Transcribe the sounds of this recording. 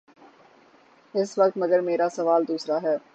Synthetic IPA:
ɪsʋɐk̚t̪mɐɡəɾmeːɾasɐʋaːld̪uːsɾaɦɛː

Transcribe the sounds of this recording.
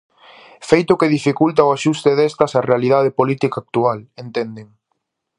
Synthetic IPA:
fejt̪ʊkeð̞ifikult̪aoaʃust̪eðest̪ɐsɐrealiðaðepolit̪ikak̚t̪ualent̪end̪eŋ

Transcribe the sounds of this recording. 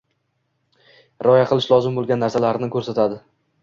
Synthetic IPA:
ɾɒjaqʰɨlˠɪʃlˠɒzɪmbolˠɡʲanːaɾsalaɾɪnɪkʰɵɾsat̪ʰad̪ɪ

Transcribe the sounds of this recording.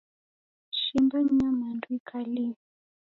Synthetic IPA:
ʃimbaɲamandwikʰali

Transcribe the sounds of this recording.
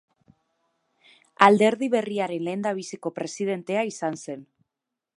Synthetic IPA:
ald̪e̞ɾðiβe̞riaɾe̞nle̞ːnd̪aβ̞isiko̞pɾe̞sið̞e̞nt̪e̞aisanse̞n

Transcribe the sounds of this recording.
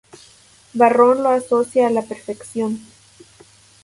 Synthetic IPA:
baronloasosjaːlapeɾfeksjon

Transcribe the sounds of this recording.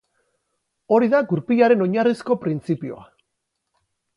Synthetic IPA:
o̞ɾiðaɡuɾpiʎaɾe̞no̞ɲarisko̞pɾint͡sipio̞̰a̰

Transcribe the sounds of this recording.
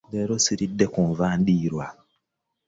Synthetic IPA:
beɾosiɾidːekuɱvaːndiːɾwa

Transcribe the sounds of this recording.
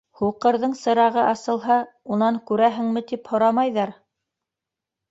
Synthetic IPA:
huqɤ̆ɾðɤɴsɤ̆ɾɑʁɤʔɑsɤ̆lˠɦɑ | unɑŋkʉɾæɦɘ̆ŋmɘt̪iphŏɾɑmɑjðɑɾ

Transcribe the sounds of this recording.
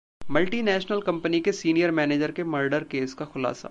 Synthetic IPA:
mɐlʈinɛːʃnəlkɐ̃mpənikesiːnijəɾmɛːneːd͡ʒəɾkeməɾɖəɾkeːskaxʊla̰ːsa̰

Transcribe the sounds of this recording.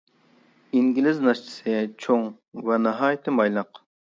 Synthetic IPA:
iŋɡʲilɪznɑʃt͡ʃʰi̥sɨt͡ʃʰoŋ | vɛnɨɦɑːjt̪ʰɨmɑjlˠəq

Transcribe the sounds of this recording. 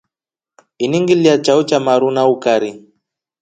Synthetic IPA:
iniŋɡiliat͡ʃaut͡ʃamaɾunaukaɾi

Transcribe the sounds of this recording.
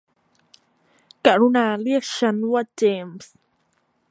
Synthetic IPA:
kaɾunaliʃanwad͡ʒeːms

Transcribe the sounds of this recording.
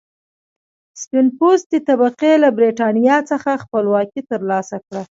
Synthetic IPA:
spɪnposd̪ət̪abaqelabɾeʈɑnijɑt͡səxaxpəlwɑkit̪əɾlɑsakɽa

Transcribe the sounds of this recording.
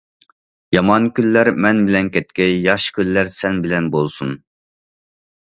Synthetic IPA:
jɑmɑnkʲylːæɾmɛnbɪlɛnkʲɛt̪̚kʲɛjɑʃkʲʰylːæɾsɛnbɪlɛnbolˠsun

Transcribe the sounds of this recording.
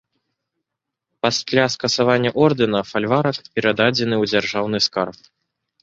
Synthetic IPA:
pasʲlʲaskɐsavanʲːɐʔɔrd̪ɨnɐfalʲvaɾɐkpʲɛɾad̪ad͡zʲɛnɨwd͡zʲarʐawnɨskarp

